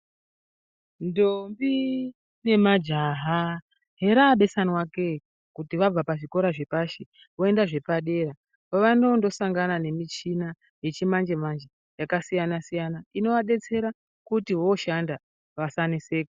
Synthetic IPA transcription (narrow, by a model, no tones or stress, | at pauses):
ndombi | ne̞mad͡ʒaɦa | ɦe̞ɾaɓe̞sanwake | kutiʋab͡vapaʐiko̞ɾaʐe̞paʃe | o̞e̞ndaʐe̞paɗe̞ɾa | poʋano̞ndo̞saŋɡanane̞mit͡ʃina | je̞t͡ʃimand͡ʒe̞mand͡ʒe | jakasijanasijanaino̞ʋaɗe̞t͡se̞ɾa | kutiɦo̞ʃanda | ʋasaniseːko